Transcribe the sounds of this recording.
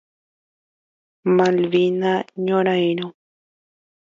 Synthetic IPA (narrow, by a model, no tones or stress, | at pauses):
malβinaɲoɾajɾo